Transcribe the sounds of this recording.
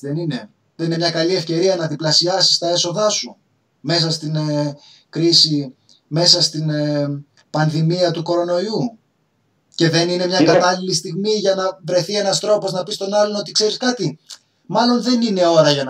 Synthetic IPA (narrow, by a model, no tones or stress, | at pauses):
enine̞ | ðenine̞mɲɐkɐlie̞fce̞ɾiɐnɐt̪iblɐsiɐsi̥st̪ɐe̞so̞ðɐsu | me̞sɐst̪in | kɾisi | me̞sɐst̪in | pɐnðimiɐt̪uko̞ɾo̞no̞iu | ce̞ðe̞nine̞mɲɐkɐt̪ɐlilist̪iɣmiʝɐnɐvɾe̞θie̞nɐst̪ɾo̞po̞znɐpist̪o̞nɐlo̞no̞t̪i̥kse̞ɾiskɐt̪i | mɐlo̞nðe̞nine̞o̞ɾɐʝɐn